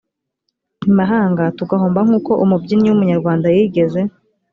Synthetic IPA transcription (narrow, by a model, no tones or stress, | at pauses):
nimaɦaːŋɡatuɡaɦoːmbaŋ̥uːko̞ʔumubɟiniwumuɲaɾɡwaːndajiːɡe̞ze̞